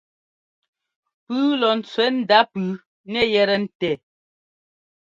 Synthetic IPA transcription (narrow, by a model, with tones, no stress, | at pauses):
pʉː˦lɔ˨n̩˨t͡swɛ˨˦n̩˦˨da˦pʉː˨˦ | nɛ˦˨jɛ˦ɾɛ˨n̩˦˨tɛ˨